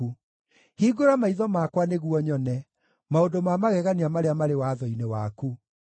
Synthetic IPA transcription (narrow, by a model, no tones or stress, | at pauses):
u | hiɡoɾamaiðɔmakwaneɣwɔɲɔnɛ | maodomamaɣɛɣaniamaɾeamaɾewaðɔinewaku